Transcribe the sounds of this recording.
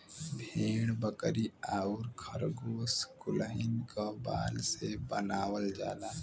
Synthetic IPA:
bʱeːɽ̃bəkɾiaːuɾkʰəɾɡoːskʊləɦɪnkaba̰ːlsebənaːwəld͡ʒaːnaː

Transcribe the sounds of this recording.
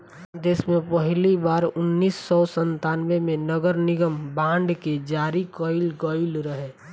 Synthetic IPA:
d̪eːsmẽpəɦlibaːɾʊnːiːsːɔsə̃nt̪aːnʋemẽnəɡəɾnɪɡəmbãːɳɖked͡ʒaːɾikəɪlkəɪlɾəɦe

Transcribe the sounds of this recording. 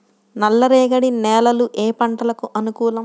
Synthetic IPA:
nɐlːɐɾeːɡɐɽinɛːlɐluʔeːpɐɳʈɐlɐkuʔɐnukuːlɐ

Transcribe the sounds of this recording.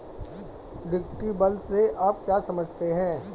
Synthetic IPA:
ɖɪk̚ʈibɐlseʔaːp̚kjasɐməd͡ʒʱt̪eɦɛ̃ː

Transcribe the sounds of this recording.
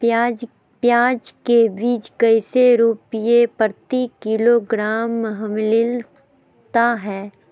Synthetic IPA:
d͡ʒ | pjaːd͡ʒkebiːt͡ʃkəɪseɾupijepəɾt̪ikɪloɡɾaːmːɦəmlɪl | t̪aɦɛː

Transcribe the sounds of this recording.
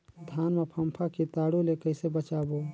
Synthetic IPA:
d̪ʱaːnmepʰəmpʰakit̪aːɽulekəɪsebət͡ʃaːbo

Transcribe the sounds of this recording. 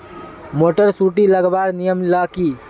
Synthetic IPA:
moːʈəɾsuːʈiləɡbaːɾnijəmlakiː

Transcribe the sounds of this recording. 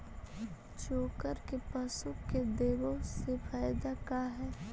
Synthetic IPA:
t͡ʃoːkəɾkepɐsʊkːed̪eːʋõsefʰaːjd̪akaːɦɛː

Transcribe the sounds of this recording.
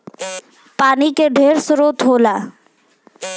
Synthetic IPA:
paːnikeɖʱeːɾsʊɾoːt̪ɦoːlaː

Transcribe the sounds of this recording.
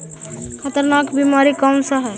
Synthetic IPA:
kʰət̪əɾnakbimaɾikamsəɦɛ

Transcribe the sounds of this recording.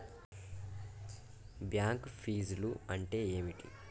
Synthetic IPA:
bjaːŋkpʰiːzluɐɳʈe̞ːeːmiʈḭ

